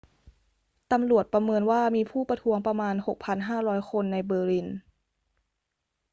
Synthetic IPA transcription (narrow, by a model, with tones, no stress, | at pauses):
t̪a˧mɾu˨˩ət̪̚pɾa˧mɤː˧nwaː˥˩miː˧pʰuː˥˩pa˧t̪ʰu˦˥əŋpɾa˧maː˧nho˨˩k̚pʰa˧nɦaː˥˩ɾɔː˦˥jkʰo˧nːa˧jbɤː˧li˧˩n